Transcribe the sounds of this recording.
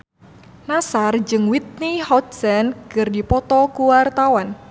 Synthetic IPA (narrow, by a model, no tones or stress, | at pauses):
nasard͡ʒɨŋwit̪̚nihɔt̪̚sankɨrdipɔt̪ɔkuwart̪awan